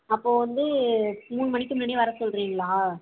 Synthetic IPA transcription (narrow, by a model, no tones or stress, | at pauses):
ɐpːoːʋɐnd̪ɯmuːnɯmɐɳɪkːɯmnɐɽiʋɐɾɐsɔlrɾiːŋɡɐɭaː